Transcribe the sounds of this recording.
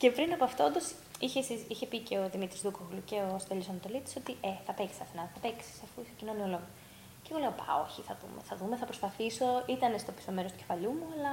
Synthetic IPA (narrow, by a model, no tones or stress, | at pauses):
ce̞pɾinɐpoɐft̪o̞nd̪o̞s | içesisiçe̞piceoðimit̪ɾizðukoɣluce̞ost̪elisɐnɐt̪o̞lit̪iso̞t̪iʔeθɐpeksi̥sɐθenɐnθɐpeksi̥sɐfuisecino̞niolo̞ɣo | ceɣo̞leɣopɐ̰o̞̰çiθɐðṵmeθɐðumeθɐpɾo̞spɐθiso̞it̪ɐnest̪o̞pi̥someɾot̪u̥ce̞̥fɐʎumuɐlɐ